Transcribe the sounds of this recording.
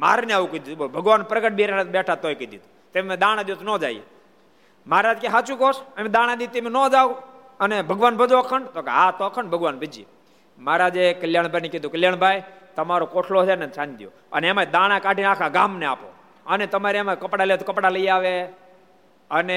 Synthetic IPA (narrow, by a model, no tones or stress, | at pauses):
ma̰ɾneaʋukəid̪iubobʱəɡʋanpɾəkəʈ̚biɾeabɛʈʰat̪ojkəid̪it̪u | t̪emẽd̪aɽ̃ãd̪jot̪onõd͡ʒa̰ḭjḛ | maɾad͡ʒkeɦat͡ʃũkoʃəmẽd̪aɽ̃ãd̪it̪emenod͡ʒau | ənebʱəɡʋanbʱəd͡ʒoəkʰəɳɖt̪okeɦat̪oəkʰəɳɖbʱəɡʋanbʱəd͡ʒiḛ | maɾad͡ʒekəljaɳ̃bʱajneked̪ukəljaɳ̃bʱajt̪əmaɾokoʈʰlosenet͡ʃʰand̪jo̰ | ə̰neemad̪aɽ̃ãkaʈinakʰaɡaːmnea̰po̰ | ənet̪əmaɾeemakəpɽaləjet̪okəpɽaləiaʋe | əne